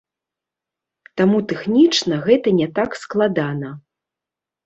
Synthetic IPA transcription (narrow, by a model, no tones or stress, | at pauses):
t̪amut̪ɛxnʲit͡ʂnɐɣɛt̪ɐnʲɛt̪aksklˠad̪anɐ